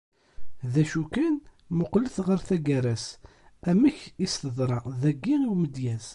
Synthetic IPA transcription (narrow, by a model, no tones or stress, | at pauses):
ðæʃukæn | mʊqləθʁəɾθæɡæɾæs | æmæçist̪əðˤɾˤɑðæɡːiiwməd̪jæz